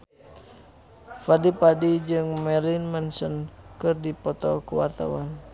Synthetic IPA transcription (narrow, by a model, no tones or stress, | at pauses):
fadipadid͡ʒɨŋmɛlinmənsənkɨrdipɔt̪ɔkəwart̪a̰wan